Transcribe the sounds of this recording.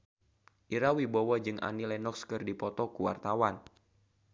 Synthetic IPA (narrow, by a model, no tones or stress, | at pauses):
ʔiɾawibowad͡ʒɨŋʔa̰nilɛnɔkskɨrdipɔt̪ɔkuwa̰rt̪awan